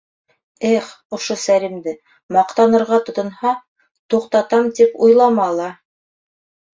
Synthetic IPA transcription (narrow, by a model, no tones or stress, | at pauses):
æχ | ŏʃosælimd̪ɘ | mɑqt̪ɑnɤ̆ɾʁɑt̪ŏt̪ɤ̆nhɑ | t̪uqt̪ɑt̪ɑmt̪ipujlˠɑmɑlˠɑ